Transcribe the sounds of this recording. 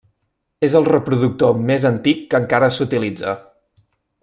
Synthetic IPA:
ezəlˠrəpɾuðuk̚t̪omezənt̪ikːəŋkaɾəsut̪ilid͡zə̰

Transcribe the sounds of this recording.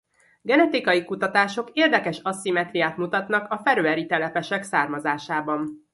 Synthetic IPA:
ɡɛnɛt̪ikɒjikut̪ɒt̪aːʃo̞keːrd̪ɛkɛʃɒsːimɛt̪rijaːt̪mut̪ɒt̪nɒkɒfɛɾøɛɾit̪ɛlɛpɛʃɛksaːrmɒzaːʃaːbɒn

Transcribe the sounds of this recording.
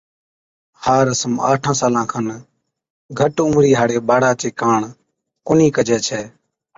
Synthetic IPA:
haːɾəsəma̰ːʈʰãːsaːlãːkʰən | ɡʱəʈumɾiːɦaːɽeːɓaːɽaːt͡ʃeːkaːɳ | kʊniːkəd͡ʒɛːt͡ʃʰɛː

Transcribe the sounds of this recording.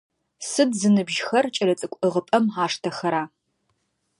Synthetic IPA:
sɨdzɨnɨbʒxɐrt͡ʃʼɐlɐt͡sʼɨkʷʼɨʁəpʼɐmaːʂtʰɐxɐɾaː

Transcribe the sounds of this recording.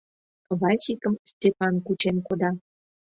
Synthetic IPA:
βɑsʲikəmst̪ʲepɑnkut͡ɕenkod̪ɑ

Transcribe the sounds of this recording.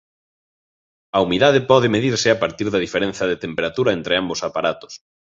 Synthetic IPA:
ɐumiðaðɪpɔðɪmeðiɾsɪapaɾt̪iɾðɐðifeɾẽnθjɐðet̪empeɾat̪uɾɐent̪ɾɪambosapaɾat̪ʊ̥s

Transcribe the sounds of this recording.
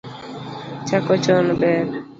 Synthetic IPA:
t͡ʃakɔt͡ʃɔnbɛɾ

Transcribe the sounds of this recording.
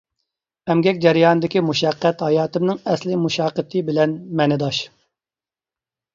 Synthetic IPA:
ɛmɡʲɛkʲd͡ʒɛɾɨjɑːnɨd̪ɪkʲimuʃɛqːɛt̪hɑjɑːt̪ɪmnɪŋɛslɪmuʃɑːqːət̪ʰɨbɪlɛnmɛnɪd̪ɑʃ

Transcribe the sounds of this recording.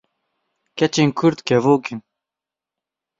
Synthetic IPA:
kɛt͡ʃenkʰuɾt̪kɛvoːkin

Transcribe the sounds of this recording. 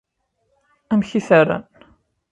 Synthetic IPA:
æmçiθaɾa̰n

